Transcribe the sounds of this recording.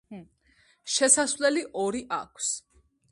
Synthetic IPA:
ʃɛsasvlɛliʔɔɾiʔa̰kʷʰs

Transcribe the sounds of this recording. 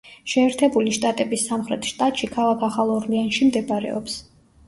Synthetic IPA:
ʃɛːɾt̪ʰɛbuliʃt̪ʼat̪ʼɛbisːamχɾɛt̪ʰʃt̪ʼat̪ʼʃikʰalˠakʰaχalˠɔɾlianʃimd̪ɛbaɾɛ̰ɔ̰ps

